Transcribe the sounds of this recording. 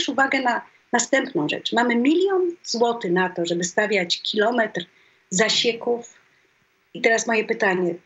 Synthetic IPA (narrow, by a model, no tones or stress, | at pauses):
ʂuvaɡɛna | nast̪ɛmpnɔ̃w̃ʐɛ̰t͡ʂmamɘmʲilʲjɔnzwɔt̪ɘnat̪ɔʐɛbɘst̪avʲjat͡ɕkʲilɔmɛt̪ɾ | zaɕekuf | it̪ɛɾasmɔjɛpɘt̪aɲɛ